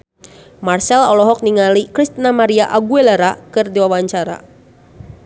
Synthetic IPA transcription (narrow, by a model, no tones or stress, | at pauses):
marsɛlɔlɔɦɔk̚niŋalikɾist̪namaɾiaʔaɡuelaɾakɨrdiwawaɲt͡ʃaɾa̰